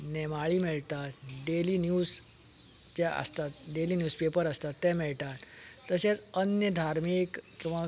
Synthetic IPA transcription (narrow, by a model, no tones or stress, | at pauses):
nɛmaɭiːmiɭt̪at̪ɖeliːnjuːz | d͡ʑɛə̰st̪at̪̚ɖeliːnjuːspepəɾəst̪at̪ːɛ̃mɛɭt̪at̪ːəsẽt͡sənjəd̪ʱaɾmikkĩʋa